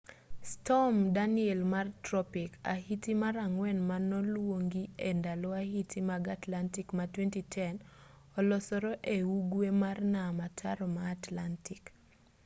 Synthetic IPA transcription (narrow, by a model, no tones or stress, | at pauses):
stɔmdaniɛlmartɾɔpika̰hitimaɾaŋwɛnmanɔlwoŋɡiendalɔahitʰimaɡatlantikmatwɛntitʰɛn | ɔlɔsɔɾɔʔeuɡwemarnamatʰaɾɔmaːtlantik